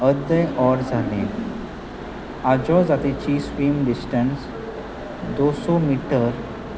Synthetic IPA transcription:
əd̪əjʔɔɾzanḛ | ad͡ʒɔzat̪it͡ɕiːsʋiːmɖisʈəns | d̪osomiʈəɾ

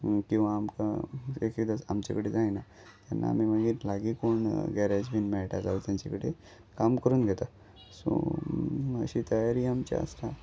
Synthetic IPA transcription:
kĩw̃ʋaːmka̰ekekd̪asamt͡ɕḛkəɽed͡zaĩna | t̪janːa̰ːmiməɡiːɾlaɡiːkoɳɡɛɾad͡ʑbinmɛɭʈa̰d͡zaut̪jaɲt͡ɕekəɽe | kamkəɾuːnɡʱet̪a | so̰ | ə̰ɕit̪əjaɾiːamt͡ɕa̰ə̰st̪a

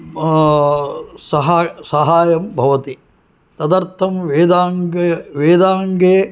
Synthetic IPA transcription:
sɐɦaːsɐɦaːjɐmbʱɐʋɐt̪i | t̪ɐd̪ɐɾt̪ʰɐmʋeːd̪aːŋɡeʋeːd̪aːŋɡeː

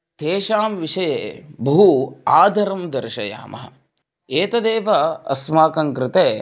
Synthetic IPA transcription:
t̪eːʃaːmʋiʂɐjeːbɐɦuaːd̪ʱɐɾɐmd̪ɐɾʃɐ̰ja̰ːmɐ̰ɦɐ̰̆ | eːt̪ɐd̪eːʋɐɐ̰smaːkɐŋkɾɪt̪eː

